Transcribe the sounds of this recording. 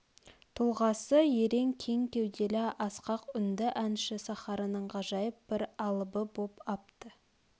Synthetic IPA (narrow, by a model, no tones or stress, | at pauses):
t̪ʰʊlˠʁɑsəje̞ɾe̞ŋkʲʰe̞ŋkʲe̞wd̪e̞lɪʔɑsqɑqʏnd̪ɪʔænʃɪsɑχɑɾənəɴqɑʒɑjəp̚b̥ɪɾɑlˠəbəbopɑp̚t̪ə